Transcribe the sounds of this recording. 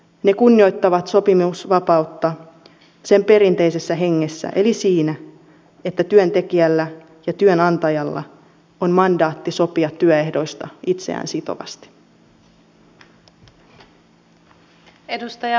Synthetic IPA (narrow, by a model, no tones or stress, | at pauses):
ne̞kunːio̞jt̪ːɑʋɑt̪so̞pimusʋɑpɑut̪ːɑ | se̞mpe̞ɾint̪e̞ise̞sːæɦe̞ŋːe̞sːæ̰ʔe̞lisiːnæ | e̞t̪ːæt̪yønt̪e̞k̟iælːæ | jɑt̪yønɑnt̪ɑjɑlːɑ̰ | onmɑndɑːt̪ːiso̞piɑt̪ːyøe̞hdo̞jst̪ɑit̪se̞̰æ̰ːnsit̪o̰ʋɑ̰st̪i̥ | edust̪ɑjɑ